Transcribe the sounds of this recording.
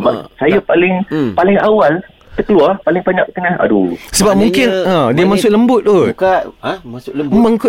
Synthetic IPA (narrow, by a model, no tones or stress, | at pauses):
basajapalɪŋpalɪŋawal | t̪əkəluarpalɪŋpaɲaʔk̪əŋãna̰dṵsəbap̚mũŋkɪnãdiəmasʊʔ̚ləmbʊt̪̚ːukaasməŋk